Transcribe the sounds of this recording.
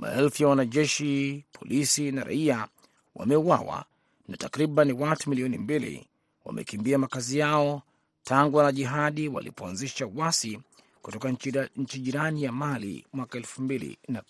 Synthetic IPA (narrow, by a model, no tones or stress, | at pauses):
ma̰ɛlfijawanaʄɛʃipʰɔlʔisinaɾa̰ia | wʔa̰mɛuwawa̰ | natakɾiɓaniwatumiliɔnimbilḭ | wa̰mʔɛ̰kimbiamakazijaɔ | tʰaŋɡuwanaʄiɦaɗiwa̰lʔḭpɔanziʃawasi | ku̥tɔkaɲ̩t͡ʃiʄiɾanijamalḭmwakaɛlfumbilḭna